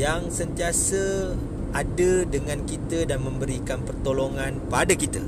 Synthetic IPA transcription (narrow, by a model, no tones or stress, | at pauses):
jaŋsənt̪iasə | ʔadədəŋãnkit̪ədanmə̃mbəɾikanpərt̪oloŋanpadakit̪ə̰